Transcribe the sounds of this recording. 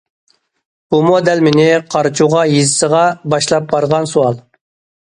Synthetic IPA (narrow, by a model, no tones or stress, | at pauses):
b̥umod̪ɛlmɪnɪqʰɑɾt͡ʃʰuʁɑjizɪsəʁɑbɑʃlˠɑp̚bɑɾʁɑnsuɑlˠ